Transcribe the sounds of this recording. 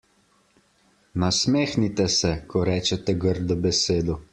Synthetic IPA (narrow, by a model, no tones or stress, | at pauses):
nasmeːxnit̪ɛsɛkʰɔɾɛːt͡ʃɛt̪ɛɡəɾd̪ɔbɛseːd̪ɔ